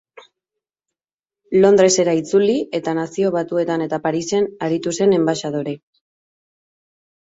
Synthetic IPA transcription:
lo̞nd̪ɾe̞se̞ɾait͡sulie̞t̪anasio̞β̞at̪ue̞t̪ane̞t̪apaɾise̞naɾit̪use̞ne̞mbaʃað̞oɾe

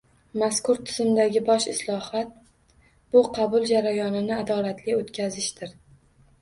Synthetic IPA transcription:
maskʊɾt̪ʰɪz̥ɪmd̪aɡʲɪbɒʃɪslˠɒhat̪̚ | b̥ʊqʰɑbʊlˠd͡ʒaɾajɒnɪnɪad̪ɒlat̪ʰlɪot̪kʲʰazɪʃd̪ɪɾ

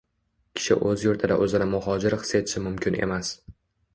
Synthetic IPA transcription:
kʲʰɪ̥ʃɪ̰ʔɵzjʊɾt̪ʰɪd̪a̰ʔɵzɪnamʊhɒd͡ʒɪɾχɨ̥se̞t̪ʰɪ̥ʃɪmʊmkʲʰɪne̞̰mas

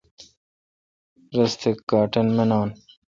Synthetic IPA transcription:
ɾɐst̪ʰɪkɡaːʈɐnmenaːn

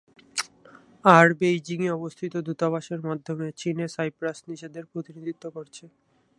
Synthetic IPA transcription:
aɾbejd͡ʑiŋiɔbost̪ʰit̪od̪ut̪abaʃeɾmad̪ʱːomet͡ɕinesajpɾasniʃed̪eɾpɾot̪inid̪ʱit̪ːokoɾt͡ɕʰe

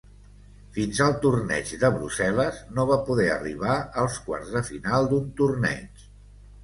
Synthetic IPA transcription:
finzəlˠt̪urnɛ̰ʒd̪əβɾusɛləznoβapuðɛə̰rḭβ̞aəlˠskwa̰rzðəfinalˠd̪unt̪urnɛ̰t͡ʃ

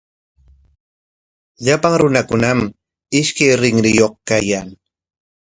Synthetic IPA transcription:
ʎapaŋɾʊnakʊnam | ɪʃkajɾɪŋɾɪjoχkajaŋ

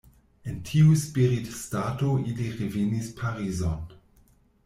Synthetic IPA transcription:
entʰiuspiɾitstatoʔiliʁevenispʰaɾizon

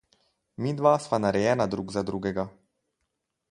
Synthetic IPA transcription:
mid̪ʋaːsmanaɾɛjɛːnad̪ɾuːɡzad̪ɾuɡɛɡa

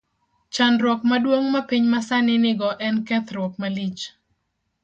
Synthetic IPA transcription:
t͡ʃanɾwɔk̚madwoŋmapiɲmasanɪnɪɡɔʔɛnkɛt̪ɾwɔk̚malit͡ʃ

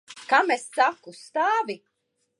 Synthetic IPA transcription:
kamesːakust̪aːvi

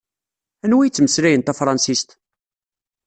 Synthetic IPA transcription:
ænwijt͡sːməsɾæjənt̪æfɾˤɑnsist̪

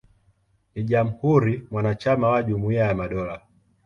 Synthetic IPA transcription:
niʄam̩huɾimwanat͡ʃamawaʄumuiajamaɗɔla

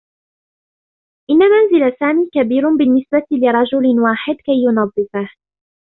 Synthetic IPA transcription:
ʔɪnːamanzɪlasaːmiːkabiːɾʊbɪnːɪsbat̪lɪɾˤɑd͡ʒʊlwaːħɪd̪kajːʊnɑd̪ˤːɨfah

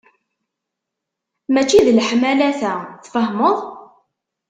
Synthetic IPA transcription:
mæt͡ʃːiðlħmælæθæθfəhmoðˤ

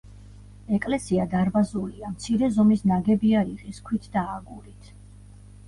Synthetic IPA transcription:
ɛkʼlɛsiad̪aɾbazuliamt̪sʰiɾɛzɔmisnaɡɛbiaɾiʁʼiskʰwit̪ʰd̪aːɡuɾit̪ʰ

